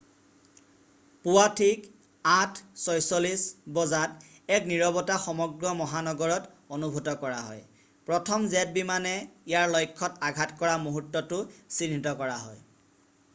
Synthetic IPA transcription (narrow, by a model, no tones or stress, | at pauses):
puwatʰik | atʰsɔjsɔlisbɔzat | ɛkniɹɔbɔtaxɔmɔɡɹɔmɔɦanɔɡɔɹɔt | onubʱutɔkɔɹa̰ɦɔ̰j | pɹɔtʰɔmzɛt̚bimanɛijaɹlɔjkʰːɔtaɡʱatkɔɹamoɦutːɔtʊsinitɔkɔɹaɦɔ̰j